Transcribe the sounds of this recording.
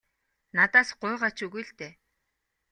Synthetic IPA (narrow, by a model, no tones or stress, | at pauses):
nat̪aːsɢʊjʁaːt͡ɕɵɣujɮt̪eː